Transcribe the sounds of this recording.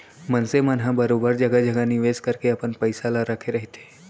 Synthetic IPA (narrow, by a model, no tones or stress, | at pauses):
mɐnsemənɦãbɐɾoːbəɾd͡ʒɐɡad͡ʒɐɡaniʋeːskɐɾkeɐpənpəɪsalaɾɐkʰeɾɐɦet̪e